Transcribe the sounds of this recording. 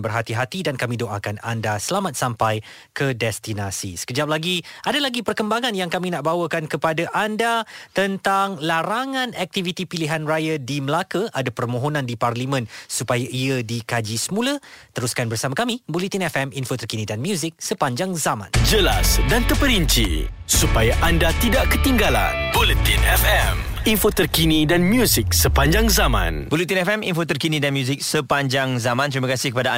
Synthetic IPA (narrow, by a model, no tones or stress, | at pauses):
bərɦat̪iɦat̪idankamidoʔakana̰ndasəlamat̪̚sampaj | kədɛst̪inasḭsə̥kəd͡ʒap̚laɡiʔadalaɡipərkəmbaŋanjaŋkaminaʔ̚bawəkankəpadaʔandat̪ənt̪aŋlaɾaŋãnɛk̚t̪ivit̪ipiliɦanrajadiməlakaʔadapərmõɦonãndiparlimə̃nsupajaʔiadikad͡ʒisəmũlət̪əɾuskanbərsamakamibolit̪inɛfɛminfot̪ərkinĩdanmjuzɪk̚səpaɲd͡ʒaŋzamã̰nd͡ʒəla̰sdant̪əpəɾiɲt͡ʃḭsupajaʔandat̪idaʔkət̪iŋɡala̰nbolət̪inɛfɛminfot̪ərkinidanmjuzɪk̚səpaɲd͡ʒaŋzamã̰nbolit̪inɛfɛmḭnfot̪ərkinidanmjuzɪk̚səpaɲd͡ʒaŋzamãnt̪ɾimakasɪhkəpada